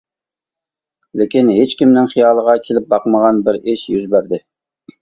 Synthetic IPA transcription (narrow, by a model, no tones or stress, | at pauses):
lekʲinɦet͡ʃkʲimnɪŋχijɑːlˠəʁɑkʲʰelɪp̚bɑqməʁɑnbɪɾɪʃjyzbæɾd̪ɪ